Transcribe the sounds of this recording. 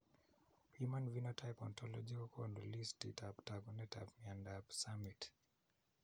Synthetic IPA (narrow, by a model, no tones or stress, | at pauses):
pimanvinɔtʰajpɔntɔlɔd͡ʒikɔkʰɔndɔlistḭtaptaɡɔnɛta̰pmiandapsamit